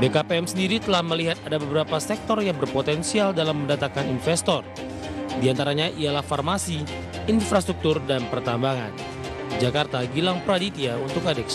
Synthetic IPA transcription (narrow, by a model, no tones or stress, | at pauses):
bekapeɛmsəndiɾit̪əlahməliɦat̪̚adabəbəɾapasɛk̚t̪ɔrjaŋbərpot̪ɛnsialdalamːəndat̪akaninfɛst̪ɔr | diant̪aɾaɲaʔialahfarmasiː | nfɾast̪ɾuk̚t̪urdanpərt̪ambaŋa̰n | d͡ʒakart̪aɡilaŋpɾadit̪iaunt̪ʊkadɛks